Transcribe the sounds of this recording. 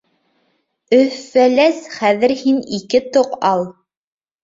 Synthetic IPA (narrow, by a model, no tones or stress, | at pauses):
ɵ̆fælæsχæðɘ̆ɾhinikɘt̪oqɑlˠ